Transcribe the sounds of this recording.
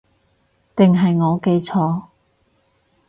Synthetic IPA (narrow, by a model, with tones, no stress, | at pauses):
t̪ɪ˨ŋɦɐ˨jŋɔː˨˧ke˧jt͡sʰɔː˨˧